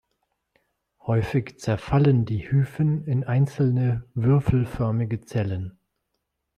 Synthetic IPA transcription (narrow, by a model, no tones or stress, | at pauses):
hɔʏfɪçt͡sɛɐfaləndiːhyːfənɪnʔaɪnt͡sl̩nəvʏɐfl̩fœɐmɪɡət͡sɛlən